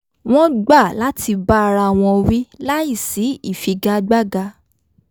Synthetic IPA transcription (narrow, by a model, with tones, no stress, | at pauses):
w̃ɔ̃˦ɡ͡ba˦˨la˦ti˧ba˦˧ɾa˧˨w̃ɔ̃˧wi˦la˦i˦˨si˨˦i˦˨fi˧ɡa˧ɡ͡ba˦ɡa˧